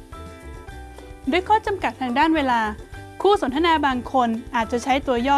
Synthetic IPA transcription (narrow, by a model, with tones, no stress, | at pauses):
du˥˩əjkʰɔː˥˩t͡ɕa˧mka˨˩t̪ʰːaː˧ŋdaː˥˩nweː˧laː˧kʰuː˥˩so˩˦nt̪ʰa˧naː˧baː˧ŋkʰo˧nʔaː˨˩t̪̚t͡ɕa˨˩t͡ɕʰa˦˥jt̪u˧ɐjɔː˥˩